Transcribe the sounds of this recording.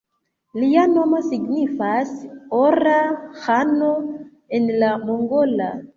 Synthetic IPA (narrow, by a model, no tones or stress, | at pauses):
liano̞mo̞siɡnifasoɾahano̞ | e̞nlamoŋɡo̞la̰